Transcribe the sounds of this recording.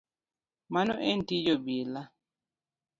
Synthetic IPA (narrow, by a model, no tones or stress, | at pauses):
manoʔentid͡ʒobila